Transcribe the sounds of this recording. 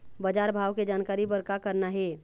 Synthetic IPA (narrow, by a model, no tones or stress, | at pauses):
bəd͡ʒaːɾbʱaːʋked͡ʒaːnkaːɾibəɾkakəɾnaɦɛ